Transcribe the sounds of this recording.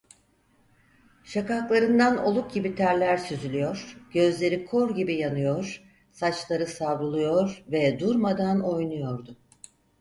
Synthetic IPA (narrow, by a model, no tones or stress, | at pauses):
ʃakaklˠaɾɯnd̪ano̞lˠuk̚ɟibit̪ʰæɾlʲæɾsyzylʲyjo̞ɾ̥ɟ̥ø̞zlʲe̞ɾikʰo̞ɾɟibijanɯjo̞ɾ̥ | sat͡ʃlˠaɾɯsavɾulˠujo̞ɾvɛd̪uɾmad̪ano̞jnujo̞ɾd̪ʊ